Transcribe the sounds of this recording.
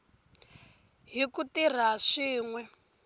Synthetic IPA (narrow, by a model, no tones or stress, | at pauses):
ɦikutir̤aʂiːŋwɛ